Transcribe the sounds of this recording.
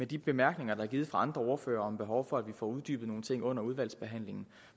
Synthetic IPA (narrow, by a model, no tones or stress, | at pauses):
med̥ib̥e̝mæɐɡ̥ne̝ŋɐd̥ɑæɐɡiːð̩ˠfʁɑ̈ɑ̈nd̥ʁɐo̝ɐfø̰ːɐɒ̽mb̥e̝ɦɒʊfɒ̽æd̥ʋifɒ̰ːuð̞ˠd̥yːb̥ð̩ˠno̝ːn̩t͡sʰe̝ŋ̰ɔ̽n̰ɐuð̞ˠʋæl̰sb̥e̝ɦæn̰le̝ŋn̩